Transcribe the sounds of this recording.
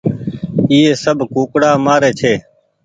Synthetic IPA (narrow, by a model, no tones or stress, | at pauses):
iːeːsəbʱkuːkɽaːmaːɾeːt͡ʃʰeː